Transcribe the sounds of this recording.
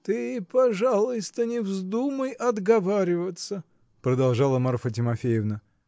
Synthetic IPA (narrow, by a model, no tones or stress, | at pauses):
t̪ɨpɐʐalˠʊjst̪ənʲɪvzd̪uməjɐd̪ɡɐvaɾʲɪvət̪sə | pɾəd̪ɐlˠʐɑlˠəmarfətʲɪmɐfʲejɪvnə